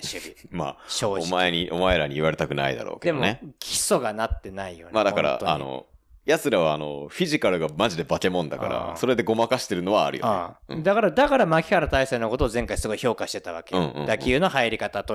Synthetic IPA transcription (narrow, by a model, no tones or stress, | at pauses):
ɕɨbʲima̰ːɕoːomaeɲiʔo̞maeɾaɲ̟iːβaɾe̞t̪akɯ̟na̰ḭd̪a̰ɾo̞̰ːked̪ed̪o̰nekʲʰi̥so̞ɡanat̪ːe̞naijo̞̰ɲmaːd̪akaɾa̰oa̰no̰jasɨɾaβaːno̞̰ɸʲiʑikaɾɯ̟ɡamaʑid̪e̞bake̞mõnd̪a̰kka̰ɾa̰so̞ɾe̞d̪eɡo̞makaɕi̥t̪e̞ɾɯ̟no̞βa̰ːɾɯ̟jo̰eɯ̰̃d̪akaɾad̪akaɾamakʲi̥kaɾat̪aiseːnoko̞t̪o̞ːzẽ̞ŋkaisɨɡoiço̞ːkaɕi̥t̪e̞t̪aβakeɯ̃ːɯ̰̃d̪akʲiɯ̟ːno̞haiɾʲikat̪at̪o